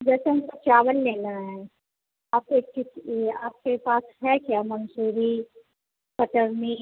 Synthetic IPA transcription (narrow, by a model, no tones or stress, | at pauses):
d͡ʒɛːseɦɐmkot͡ʃaːʋəlːeːnaɦɛ̃ | aːp̚kekɪaːp̚kepaːsɦɛkiamɐnsuːɾi | pəʈəɾni